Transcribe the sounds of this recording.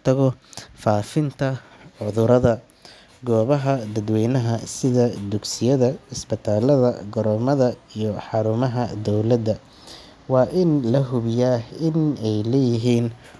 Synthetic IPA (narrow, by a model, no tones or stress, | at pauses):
t̪ʰɐɣɔfaːfɪnt̪ʰɐ | ʕʊðʊɾɐðɐ | ɡɔːβɐɦɐd̪ɐd̪wɛjnɐɦɐsɪðɐd̪ʊɡsɪjɐðɐɪsbɪt̪ʰaːlɐðɐ̰ɡɔɾɔmɐðɐijɔħɑɾʊmɐɦɐd̪ɔwlɐd̪ɐ | wɑːʔɪnlɐɦʊβɪjaːɪnɛjlɛːjɪɦiːn